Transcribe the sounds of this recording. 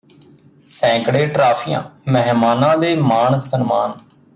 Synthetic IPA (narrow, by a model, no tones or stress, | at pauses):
sɛ̃ːkɽeːʈɾaːpʰɪjã̰ːmɛɦmaːnãːd̪eːmaːɳsənmaːn